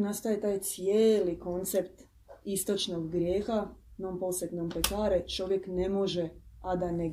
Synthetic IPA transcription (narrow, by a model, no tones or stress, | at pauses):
nast̪ajet̪aːjt̪sijeːliko̞nt̪se̞pt̪ | ist̪o̞t͡ʃnoɡːɾje̞ːxanompo̞set̪nompekaːɾet͡ʃo̞ʋje̞kne̞mo̞ʒead̪ane